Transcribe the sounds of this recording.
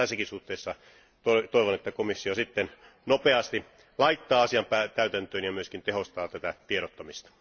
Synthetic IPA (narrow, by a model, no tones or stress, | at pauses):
æsikisuht̪eːsːɑ | t̪ot̪oiʋonet̪ːækomisːiosit̪ːen | nopeɑst̪i | lɑit̪ːɑːɑsiɑmpæt̪æyt̪ænt̪øːnjɑmyøskint̪eɦost̪ɑːt̪æt̪æt̪ieɾot̪ːomist̪ɑ̥